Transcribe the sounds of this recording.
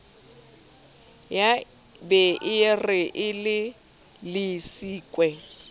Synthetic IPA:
ja | bɛʔɪrɪʔɪlɪ | lɪsiːkʼwɛ

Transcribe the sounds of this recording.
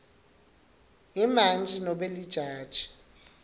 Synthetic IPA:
imand͡ʒʱinɔɓelid̥ʒ̥ʱaːd̥ʒ̥ʱi̥

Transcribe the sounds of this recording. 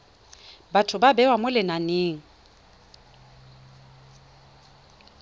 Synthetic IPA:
batʰʊbabɛwamʊlɪnaneːŋ̩

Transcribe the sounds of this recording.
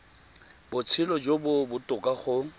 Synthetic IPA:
bʊt͡sʰɪlɔd͡ʒobʊbʊtʼʊkʼaχʊ

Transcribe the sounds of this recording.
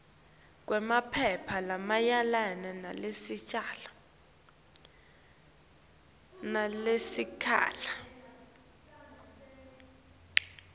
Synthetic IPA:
k̬ʼwɛmapʰɛpʰalamajalanɛnalesit͡ʃʼala | nalesikʰa̰ːla

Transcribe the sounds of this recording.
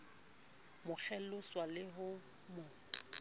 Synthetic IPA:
mʊk͡xʰɛlʊswalɪɦʊ | mʊ

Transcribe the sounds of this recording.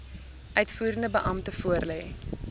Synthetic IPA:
ʔœɥtfuːɾəndəbəʔɐmtəfuərlɛj

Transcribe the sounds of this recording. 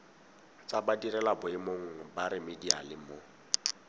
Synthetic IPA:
t͡sʼabadirɛlabʊɪmoŋ̩baɾɪmɪdialɪmo

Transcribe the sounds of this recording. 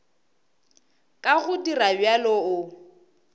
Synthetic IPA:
kʼaɣʊdirabjalɔʊ

